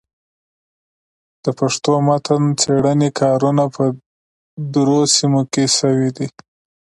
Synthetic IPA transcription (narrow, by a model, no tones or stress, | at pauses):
d̪̥əpaʂt̪omat̪ənt͡seɽənekʰɑɾunapə | d̪ɾosimokesəwid̪i